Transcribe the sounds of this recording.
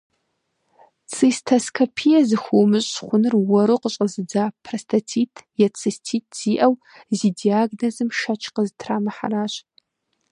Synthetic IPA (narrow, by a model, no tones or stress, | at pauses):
t͡sʰʼistʰɐskʰɐpʰijɛzɨxʷuːmɨɕʼχʷʊnɨrwɔɾuqəɕʼəzɨd͡zaːpʰrɐstʰɐt͡sʰiːtʰjɛt͡sʰʼɨstʰiːtʰz̥iːʔɐw | ziːdiaːɡnɐzɨmʃɐt͡ʃʰʼqəztʰraːmɐħa̰ɾaːɕ